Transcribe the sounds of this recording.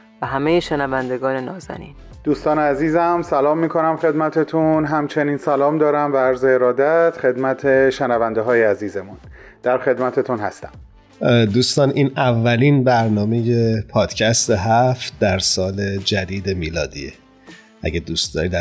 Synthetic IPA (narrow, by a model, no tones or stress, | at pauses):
væɦæmejeʃenævænd̪e̞ɡɒːne̞nɒːzæ̰nḭːn | d̪̥uːst̪ɒːneæziːzæmsælɒːmːiːkʰo̞næmxe̞d̪mæt̪ʰet̪ʰunɦæmt͡ʃʰe̞niːnsælɒːmd̪ɒːɾæmvææɾzeeɾɒːd̪æt̪χe̞d̪mæt̪ʰeʃenævænd̪eɦɒːjeæziːzemun | d̪̥æɾxe̞d̪mæt̪ʰet̪ʰunhæst̪æm | d̪uːst̪ɒːnʔiːnævːæliːnbæɾnɒːme̞je̞pʰɒːd̪̥cʰæst̪eɦæft̪̚d̪æɾsɒːle̞d͡ʒæd̪iːd̪e̞miːlɒːd̪ḭːḛ | ʔæ̰ɟed̪uːst̪d̪ɒːɾid̪æ